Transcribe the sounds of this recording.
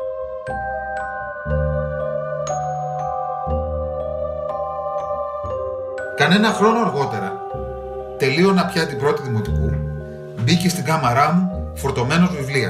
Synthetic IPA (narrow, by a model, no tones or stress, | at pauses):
kɐne̞nɐxɾo̞no̞ɐɾɣo̞t̪e̞ɾɐ | t̪e̞lio̞nɐpçɐt̪ibɾo̞t̪iðimo̞t̪ikṵ | bicest̪iŋɡɐmɐɾɐmufo̞ɾt̪o̞me̞no̞zvivliɐs